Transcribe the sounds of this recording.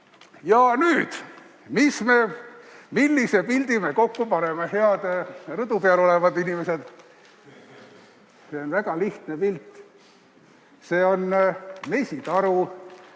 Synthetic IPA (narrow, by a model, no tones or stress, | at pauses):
jɑnyːd̪̥ | misme̞milːise̞pild̪̥ime̞ko̞kːupɑne̞mehe̞ɑd̪̥rɯd̪upeɑlo̞levɑd̪inimese̞d̪̥ | seonvæɡ̥ɑliht̪nepilt̪ːˑ | se̞ːo̞nme̞sʲit̪ɑɾu